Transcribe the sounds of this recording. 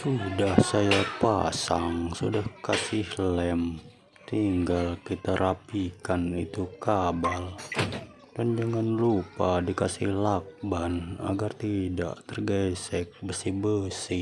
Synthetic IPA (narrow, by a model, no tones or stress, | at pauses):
sudahsajapa̰saŋsudahkasɪhlɛm | t̪iŋɡalkit̪aɾʔapikanit̪ukabal | dand͡ʒaŋanlupadikasɪhlak̚bana̰ɡart̪ida̰ʔt̪ərɡɛsɛk̚bəsihbəsɪ